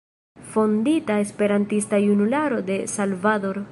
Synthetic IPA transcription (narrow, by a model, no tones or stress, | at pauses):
fo̞nditae̞spe̞ɾantistajunulaɾo̞de̞salvado̞ɾ